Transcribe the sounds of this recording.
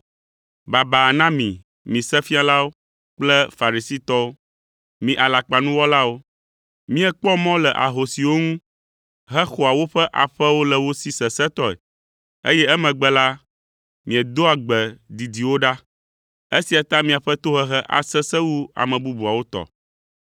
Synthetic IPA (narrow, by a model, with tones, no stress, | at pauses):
ba˨ba˨nã˦mĩ˨ | mĩ˨sɛ˦fi˦a˦la˦wo˦ | k͡plɛ˦fa˨ɾi˨si˦t̪ɔ˦wo˦ | mĩ˨ʔa˨la˨k͡pa˨nũ˦wɔ˦la˦wo˦ | mĩ˦ɛ˦k͡pɔ˦mɔ̃˦lɛ˨ʔa̰˨ɦo˨si˨wo˦ŋũ˦ | ɦɛ˦xo˨a˨wo˦ɸɛ˦ʔa˨ɸɛ˦wo˦lɛ˨wo˦si˦sɛ˨sɛ˦t̪ɔ˦ɛ̰˨ | ḛ˦jɛ˦ɛ˦mɛ̃˨ɡ͡bɛ˦la˦ | mĩ˨ɛ˨d̪o˦a˨ɡ͡bɛ˨d̪i˨d̪i˨wo˦ɖa˦ | e˦si˨a˨t̪a˦mĩ˨a˨ɸɛ˦t̪o˦ɦɛ˦ɦɛ˦ʔa̰˨sɛ˦sɛ˦wu˦a̰˨mɛ̃˨bu˦bu˨a˨wo˦t̪ɔ̰˨